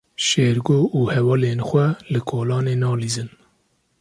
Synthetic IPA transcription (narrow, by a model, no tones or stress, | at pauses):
ʃeːɾɡoːʔuːhɛwɑːleːnxʷɛlɨkʰoːlɑːneːnɑːliːzɨn